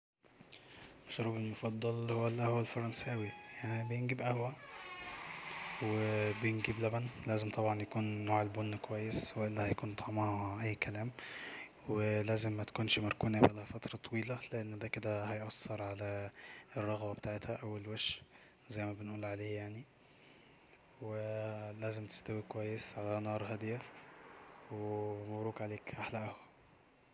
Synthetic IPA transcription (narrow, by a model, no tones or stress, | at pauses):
mɑʃɾuːbelmofɑd̪ˤːɑlhowːælːiʔæhowːælfɑɾˤɑnsʔæwijaʕnibejenɡibʔæhwæ | webejenɡiblæbænlæːzemt̪ˤɑbʕɑnjækuːnːoːʕelbonːkowæjːesweʔelːæhæjkuːnd̪ˤɑʕmɑhɑʔæjːkælæːm | welæːzemːæt̪æ̥kuːnʃmæɾækuːnʔæbælæhæfæt̪ɾˤɑt̪ˤɑwiːlælɪʔɪnːd̪æːkeɪd̪æhɑjʔɑsːeɾˤʕalæerˤːɑɣbæbet̪aːʕet̪hæʔæwelweʃ | zæjːmæbɪnʔuːlʕaleːjaʕni | welæːzɪmt̪ɪ̥st̪æwikowæjːesʕalænɑːɾˤɦæd̪jæ | wemæbɾuːkʕaleːkʔaħlæʔhæ